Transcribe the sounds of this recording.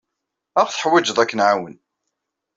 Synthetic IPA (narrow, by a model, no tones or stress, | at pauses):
æʁθə̥ħwæd͡ʒəðˤækːənʕawən